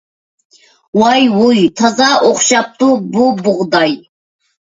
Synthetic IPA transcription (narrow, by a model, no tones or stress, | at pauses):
wɑjwujt̪ʰɑzɑʔoχʃɑp̚t̪ububʊʁd̪ɑj